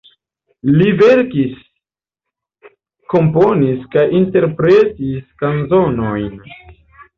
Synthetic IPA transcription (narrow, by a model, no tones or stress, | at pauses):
live̞ɾkis | ko̞mpo̞niskajinte̞ɾpɾe̞tiskanzonojn